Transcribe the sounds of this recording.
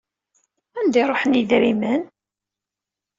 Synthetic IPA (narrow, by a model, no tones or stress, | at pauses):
ænd̪iɾˤoħəniðɾimən